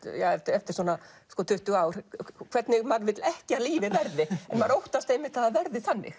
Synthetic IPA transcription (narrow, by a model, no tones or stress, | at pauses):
jaːɛft̪ɛft̪ɪɾ̥sɔnaskɔt̪ʰʏht̪ʏɣaːwɾ̥kʰv̥ɛt̪nɪɣmaɾvɪt̪lɛhcɪaliːvɪvɛɾðɪɛnmaɾowht̪ast̪ejmːɪt̪ʰaðavɛɾðɪθanːɪ̰x